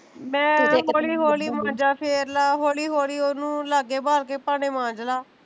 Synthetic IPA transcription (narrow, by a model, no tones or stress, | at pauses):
mɛ̃ːɦoːliːɦoːliːmãːd͡ʒaːpʰeːɾlaːɦoːliːɦoːliːonũːlaːɡeːbaːɾk̬eːpaːñeːmãːd͡ʒlaː